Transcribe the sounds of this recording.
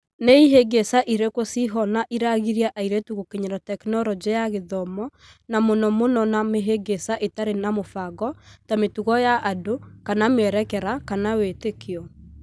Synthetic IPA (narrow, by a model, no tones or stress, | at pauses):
neiɦeɡesaʔiɾekosiɦɔnaʔiɾaɣiɾiaʔaiɾɛtuɣokeɲaɾɔtɛknɔɾɔd͡ʒɛjaɣeðɔmɔ | namonɔmonɔnameɦeɡesaʔetaɾenamofaɣɔtametuɣɔjaʔadokanameɛɾɛkɛɾakanawetekeɔ